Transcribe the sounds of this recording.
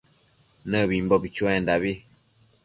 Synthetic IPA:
nəbim̩bɔbit͡ʃuɛndabi

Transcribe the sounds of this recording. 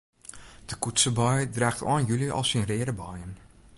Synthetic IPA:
d̥əkutsəbɔjdraːxtʰɔ̰ːnjyliʔɔ̰lˠsinrɪːɾəbɔjən

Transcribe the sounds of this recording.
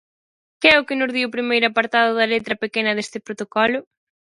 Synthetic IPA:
kɪɛʊkɪnʊzðiwʊpɾimejɾʊapɐɾt̪aðʊðɐlet̪ɾɐpekenɐðest̪ɪpɾot̪okɔlʊ

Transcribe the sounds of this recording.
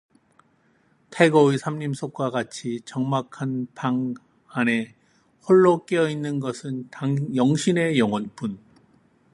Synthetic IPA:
tʰaɡʌisʰamɲimsʰok͈waɡat͡ɕʰit͡ɕʌŋmakʰanpaŋ | ane̞ | hoɭːok͈eʌinːɯnɡʌsʰɯntajʌŋɕʰine̞jʌŋwʌnp͈un

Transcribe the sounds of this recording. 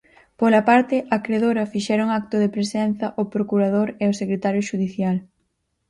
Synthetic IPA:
polapaɾt̪ɪʔakɾeðoɾɐfiʃɛɾʊŋak̚t̪ʊðepɾesɛnθɐʔopɾokuɾað̞oɾeosekɾet̪aɾjoʃuðiθjal

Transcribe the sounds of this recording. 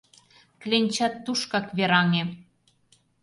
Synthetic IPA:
klʲenʲt͡ɕɑt̪ːuʃkɑkβeɾɑŋe

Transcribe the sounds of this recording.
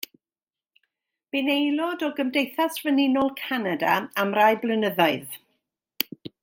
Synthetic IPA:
b̥ɪnejlˠɔdɔɡəmdejθasvənɪnɔlˠkʰanadaamrajblˠənəðaɨð

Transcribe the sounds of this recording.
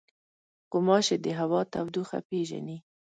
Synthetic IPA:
qʊmɑʃed̪əɦawɑt̪awd̪uxa̰peʒa̰ni

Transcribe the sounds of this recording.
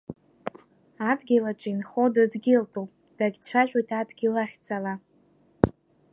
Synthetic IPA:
adɡʲilaʈ͡ʂʼinχodɨdɡʲilpʼowpʼ | d̥aɡʲt͡sʷʰaʒʷᶣʼojtʰadɡʲilaχʲt͡sʼala

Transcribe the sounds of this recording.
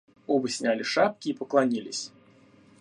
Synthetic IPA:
ɔbəsʲnʲalʲɪʂap̚kʲiːpəklˠanʲilʲɪ̰sʲ

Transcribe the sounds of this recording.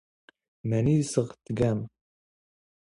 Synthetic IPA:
mænisəʁt̪ːɡæm

